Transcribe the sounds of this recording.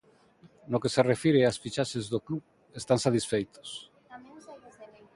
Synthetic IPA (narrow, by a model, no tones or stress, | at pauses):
nokeserefiɾeasfit͡ʃaʃezðokluɣ | est̪aŋsat̪isfejt̪o̥s